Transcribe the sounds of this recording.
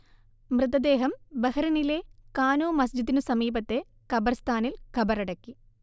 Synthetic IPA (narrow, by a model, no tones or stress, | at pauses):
mrɨt̪ːɐd̪e̞ːɦɐmbɐhɐɾɐnilekaːnoːmɐsd͡ʑit̪ːinɨsɐmiːbɐt̪ːe̞ | kɐbɐrst̪ʰaːnilkɐbɐrɐɽɐkːi